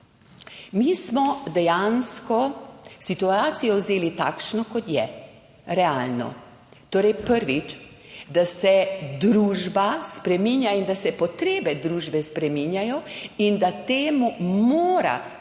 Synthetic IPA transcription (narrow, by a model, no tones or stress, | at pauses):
miːsmɔd̪ɛjanskɔsit̪uaːt̪sijɔwzeːlit̪a̰kʃnɔkɔt̪jɛ | ɾɛaːlnɔ̰ | t̪oːɾɛjpəɾʋit͡ʃ | d̪asɛd̪ɾuːʒbaspɾɛminjaind̪asɛpɔt̪ɾeːbɛd̪ɾuːʒbɛspɾɛminjajɔind̪at̪eːmumoːɾa̰